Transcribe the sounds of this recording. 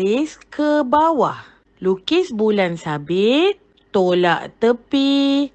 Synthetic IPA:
iskəbawah | lukisbulansabit̪̚ | t̪ola̰ʔt̪əpi

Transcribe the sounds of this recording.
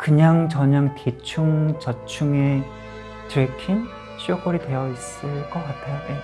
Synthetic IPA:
kɯɲaŋt͡ɕʌɲaŋtet͡ɕʰuŋt͡ɕʌt͡ɕʰuŋe̞ | tɾekʰin | ɕ͈ʰiokʌɾidwe̞jʌis͈ɯɭk͈ʌk͈atʰe̞joje

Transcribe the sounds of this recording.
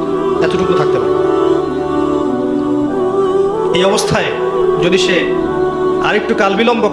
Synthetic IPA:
ɛt̪oʈukut̪ʰak̚t̪epaɾe | ejɔbost̪ʰae | d͡ʑod̪iʃe | aɾek̚ʈukalbilɔmbo

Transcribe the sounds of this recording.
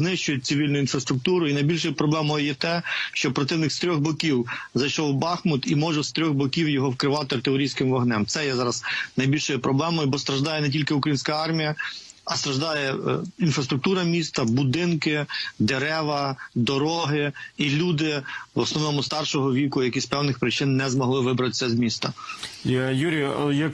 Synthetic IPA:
znɪʃt͡ʃʊjʊt̚ʲt͡ssʲiʋʲilʲnʊinfɾɐst̪ɾʊk̚t̪uɾʊinɐjbʲilʲʃɔjpɾɔblˠɛmɔjʊjɛt̪ɛʃt͡ʃɔpɾɔt̪ɪwnɪxst̪ɾʲɔɣbɔkʲiwzɐjʃɔwbɑxmʊt̪imɔʒɛst̪ɾʲɔɣbɔkʲiwjɔɦɔwkɾɪʋɑt̪ɪɐrt̪ɪɔɾʲijsʲkɪmʋɐɦnɛmt̪sɛjɛzɑɾɐznɐjbʲilʲʃɔjʊpɾɔblˠɛmɔjʊbɔst̪ɾɐʒd̪ɑjɛnɛt̬ʲilʲkɪʊkɾɐjinʲsʲkɐɑrmʲijɐ | ɐst̪ɾɐʒd̪ɑjɛinfɾɐst̪ɾʊk̚t̪uɾɐmʲist̪ɐbʊd̪ɪnkɪd̪eɾɛʋɐd̪ɔɾɔɦɪilʲud̪ɪʋɔsnɔʋnɔmʊst̪ɑrʃɔɦɔʋʲikʊjɐkʲisʲpɛwnɪxpɾɪt͡ʃɪnːɛzmɔɦlˠɪʋɪbɾɐt̪ɪ̥sʲɐzmʲist̪ɐ | juɾʲijɐk

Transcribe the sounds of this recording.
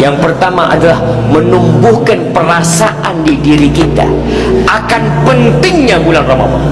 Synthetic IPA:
jaŋpərt̪amaʔa̰dalahmənumbʊhkanpərasaʔandidiɾikit̪a̰ | ʔakanpənt̪ɪŋɲabulanrama̰wa̰

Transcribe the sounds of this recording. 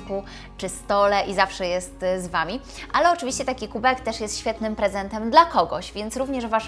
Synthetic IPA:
pu | t͡ʂɘst̪ɔlɛʔizafʂɛjɛst̪zvamʲi | ʔalɛɔt͡ʂɘvʲiɕt͡ɕɛt̪akʲikubɛkt̪ɛʂjɛst̪ɕfʲjɛt̪nɘmpɾɛzɛnt̪ɛmd̪lakɔɡɔɕvʲjɛnt̪sɾuvɲɛʐvaʂ

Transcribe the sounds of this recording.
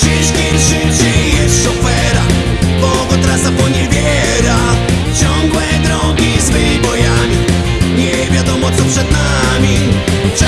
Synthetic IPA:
ɕɛɕkʲitʂɨɕijɛʂɔfɛɾa | pɔɡɔt̪ɾasapɔɲɛbʲjɛ | ɾa | t͡ɕɔŋɡwɛd̪ɾɔŋɡʲizvɛmʲibɔjamʲi | ɲɛ | vʲjad̪ɔmɔt̪sɔpʂɛd̪namʲi

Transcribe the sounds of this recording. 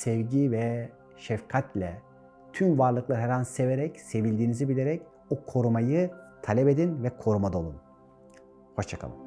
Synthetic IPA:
sɛvɟivɛ | ʃɛfkʰat̪lʲɛ | t̪ʰynvaɾlˠɯklˠaɾɦɛɾanseveɾɛcse̞vilʲd̪iːnizibilʲeɾɛc | ukʰo̞ɾumajɯt̪ʰalʲɛpe̞d̪invɛkʰo̞ɾumad̪o̞lˠun | ho̞ʃt͡ʃʰakʰa̰lˠɯ̰m

